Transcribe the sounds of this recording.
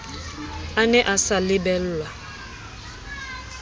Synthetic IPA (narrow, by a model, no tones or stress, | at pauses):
anɛʔasalɪbɛl̩la